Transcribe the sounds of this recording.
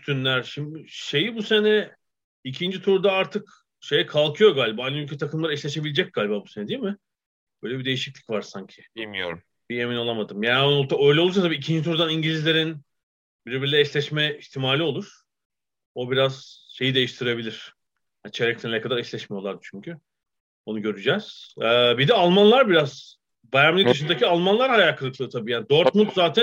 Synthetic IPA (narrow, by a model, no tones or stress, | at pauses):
yt̪ʰynlʲæɾʃimd̪ɪʃe̞jibuse̞nɛ | icʰind͡ʒit̪ʰuɾd̪aaɾt̪ʰɯk | ʃe̞jɛkʰalˠkʰɯjo̞ɡaːlʲibaːajnaylʲcʰɛt̪ʰakʰɯmlˠaɾɯɛʃlʲeʃe̞bilʲd͡ʒɛc̚ɡ̥aːlʲibaːbuse̞nɛd̪ijimɪ | bøjlʲɛbid̪e̞jiʃiclʲicʲvaɾsaɲcʰɪ̥bimijo̰ɾum | bie̞minolˠamad̪ɯmjaːnnot̪ʰaøjlʲɛolˠuɾsat̪abiːcʰind͡ʒit̪ʰuɾd̪aniɲɟilʲizlʲe̞ɾin | biɾbiɾlʲɛɛslʲɛʃmɛiçt̪ʰimaːlʲio̞lˠuɾ̥ | o̞biɾaz̥ʃe̞jid̪e̞jiʃt̪ʰiɾebilʲiɾ̥ | jant͡ʃʰeɾɛct̪ʰenlʲɛkad̪aɾɛslʲɛʃmijo̞lˠaɾd̪ɯt͡ʃʰyɲcʰy | onuɟø̞ɾyd͡ʒɛz̥ɛːbid̪ɛalˠmanlˠaɾbiɾaz̥ | bajamlʲˠicd̪ɯʃɯnd̪acʰialˠmanlˠaɾhajaːkʰɯlˠɯklˠɯːt̪ʰabiːjaːnid̪øɾt̪̚mut̪zaːt̪ʰæ